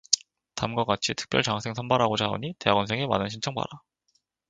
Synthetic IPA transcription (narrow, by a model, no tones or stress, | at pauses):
tamɡwak͈at͡ɕʰitʰɯ̥k̚p͈jʌɭt͡ɕaŋsʰe̞ŋsʰʌnbaɾɦaɡot͡ɕao̰ɲite̞aɡʌnsʰe̞ŋema̰nɯnɕʰint͡ɕʰʌŋpa̰ɾa